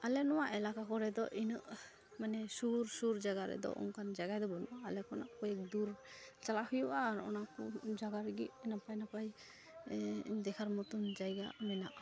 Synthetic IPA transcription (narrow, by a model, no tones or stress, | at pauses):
alɛnɔwaʔɛlakakɔɾɛd̪ɔʔinəʔ | manɛsuɾsuɾd͡ʒaɡaɾɛ̰d̪ɔ̰ʔṵnkand͡ʒaɡajd̪ɔbɔnuʔaːlɛkɔnaʔkɔjɛk̚d̪uɾt͡ʃalahujuʔaːɾɔ̰nakɔd͡ʒaɡaɾɛɡiʔɛnapajnapaj | d̪ɛkʰaɾmɔt̪und͡ʒajɡamɛna̰ʔ